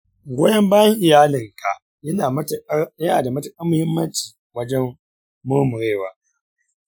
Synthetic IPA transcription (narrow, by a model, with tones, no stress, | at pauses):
ɡʷoː˦jɐ˦mbaː˦jɐ˦ŋʔɪ˨jaː˦lɪ˨ŋka̰˨ | jɪ˦na˨˦˨jɐ˦naː˨da˨mɐ˦tɐ˨kʼɐ˦mːʊ˨hɪ˦mːɐ˦nt͡ʃiː˨ | wɐ˦d͡ʒɛ˦mː | ʊ˦mʊ˨ɽeː˦˨waː˨